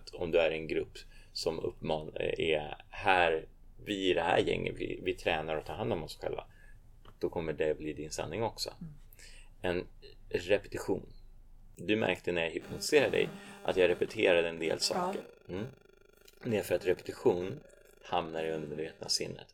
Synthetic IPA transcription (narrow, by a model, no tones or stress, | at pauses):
t̪ɔmd̪ɵæɾɛnɡɾɵpːsɔmɵ̰pːmɑːnɛhæːɾ | vɪɪɖɛhæ̰ːɾjɛ̰ŋːʔə̰t̪vɪ̰vɪt̪ʰɾɛːnaɾɔt̪ʰɑːɦand̪ɔmɔsɧɛ̰lva̰ | d̪̥ɔkʰɔmːəɖɛbliːd̪ɪnsa̰nːɪŋɔksɔ̰ | ɛn | ɾɛpɛ̥t̪ɪɧuːnd̪ɵmæ̰ɾkt̪ənæɾjaɦɪpnɔt̪ɪ̥seːɾaɖɛ̰jʔat̪jɑːɾɛpɛt̪ʰeːɾad̪əɛnd̪ḛːlsɑːkəɾ | d̪ɛæɾfœɾat̪ɾɛpɛ̥t̪ɪɧuːn | hamnaɾɪɵnd̪əɾmeːd̪veːt̪əna̰sɪ̰nːə̰t̪